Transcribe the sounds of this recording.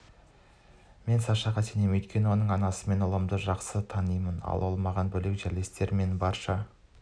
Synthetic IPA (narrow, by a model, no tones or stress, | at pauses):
me̞nsɑʃɑʁɑse̞nemɵjt̪̚kʲe̞nɪwo̞nəɴɑnɑsəme̞nʊlˠəmd̪əʒɑqsət̪ʰɑnijmənɑ̰lˠwolˠmɑʁɑnbɵle̞kʒælest̪e̞ɾme̞nbɑɾʃɑ